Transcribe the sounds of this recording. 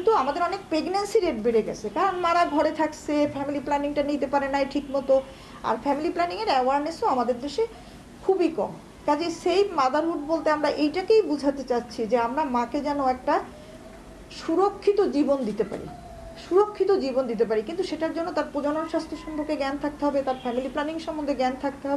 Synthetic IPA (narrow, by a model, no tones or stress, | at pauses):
t̪uamad̪eɾɔnek̚pɾeɡnensiɾeʈ̚beɾeɡɛ̰t͡ɕʰekaɾonmaɾaɡʱɔɾet̪ʰakt͡ɕʰefɛmiliplɛniŋʈanit̪epaɾenajʈʰikmɔt̪o | a̰ɾfɛmiliplɛniŋeɾɛoaɾnesoamad̪eɾd̪eʃe | kʰubikɔ̰m | kad͡ʑesejbmad̪aɾɦuʈ̚bolt̪eamɾaʔejʈakejbud͡ʑʱat̪et͡ɕatːɕʰid͡ʑeamɾamãked͡ʑɛnoɛk̚ʈa | ʃuɾokʰːit̪od͡ʑibond̪it̪epa̰ɾḭ | ʃuɾokʰːit̪od͡ʑibond̪it̪̬epaɾikint̪uʃeʈaɾd͡ʑonːot̪aɾpɾod͡ʑononʃast̪ʰoʃɔmbʰʱoɾkeɡɛnt̪ʰak̚t̪eɦɔbet̪aɾfɛmiliplɛniŋʃɔmːond̪ʱeɡɛnt̪ʰak̚t̪eɦɔbee